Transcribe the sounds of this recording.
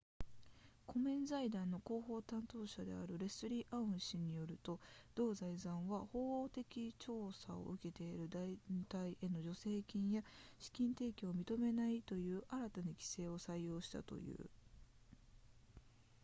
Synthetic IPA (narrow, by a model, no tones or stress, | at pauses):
kʰo̞mẽ̞nzaid̪ãnːo̞ko̞ːɦo̞ːt̪ãnt̪o̞ːɕad̪e̞̰a̰ɾɯ̟ɾe̞sɨɾʲiːʔaɯ̟̃ɰ̃ɕiɲ̟ijo̞ɾɯ̟t̪o̞d̪̥o̞ːzaizãɰ̃βaho̞ːoːt̪e̞kʲit͡ɕo̞ːsao̞̰ʔɯ̟ke̞t̪e̞iɾɯ̟d̪ait̪aiʔe̞no̞ʑo̞se̞ːkʲĩɰ̃jaɕi̥kʲĩnt̪e̞ːkʲiomʲit̪o̞me̞nait̪o̞jɯ̟ːʔaɾat̪anakʲi̥se̞ːo̞saijo̞ːɕi̥t̪a̰t̪o̞̰jɯ̟̰ː